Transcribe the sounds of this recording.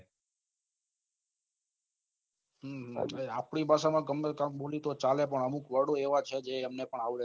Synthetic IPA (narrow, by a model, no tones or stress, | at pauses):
ɦɦea̰pɽ̃ibʱaʃamãɡəmːekambolit̪ot͡ʃalep̬əɳəmukʋəɽoeʋat͡ʃʰed͡ʒeːmnepəɳaʋɾe